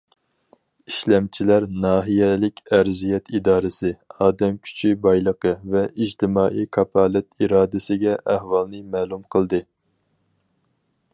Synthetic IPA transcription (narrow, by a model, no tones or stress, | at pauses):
iʃlɛmt͡ʃʰilæɾnɑːɦijɛlɪkʲʰæɾzijɛt̪ʰid̪ɑːɾɨsɨɑːd̪ɛmkʲʰy̥t͡ʃʰibɑjlˠəqʰəvɛid͡ʒt̪ʰɪmɑːʔikʰɑpʰɑːlɛt̪iɾɑːd̪ɪsɪɡʲɛʔæhwɑlˠnɨmæːlˠumqʰəlˠd̪ɨ